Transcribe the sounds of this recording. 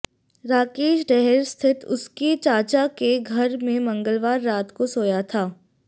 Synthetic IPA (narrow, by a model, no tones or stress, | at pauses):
ɾaːkeːʃɖɛɦɛɾst̪ʰɪt̪ʊ̰skit͡ʃaːt͡ʃakeɡʱɐɾmẽmɐ̃ŋɡəlʋaːɾːaːt̪kosoːjat̪ʰaː